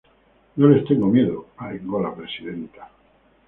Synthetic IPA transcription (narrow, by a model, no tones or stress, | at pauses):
nole̞st̪eŋɡomje̞ðoaeŋɡolapɾe̞siðe̞nt̪ḁ